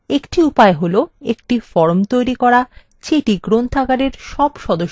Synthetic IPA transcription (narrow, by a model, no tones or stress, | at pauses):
ekʈiupaeɦoloek̚ʈifɔɾmt̪ojɾikɔɾa | t͡ɕeʈiɡɾont̪ʰaɡaɾeɾʃɔbʃɔd̪oʃ